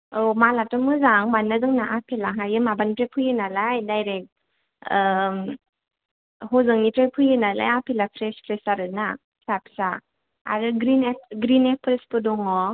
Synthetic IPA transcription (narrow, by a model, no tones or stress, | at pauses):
ɔmalatɔmɯzaŋmanːazɯŋnaʔapʰelaɦajɯmabanpɾepʰɯjɯnalajdajɾek̚t̚ | hɔzɯŋnipɾepʰujɯnala̰japʰilapʰɾespʰɾesaɾɯna | sapsa | a̰ɾɯɡɾineɡɾinepʰɾespɯdɔŋɔ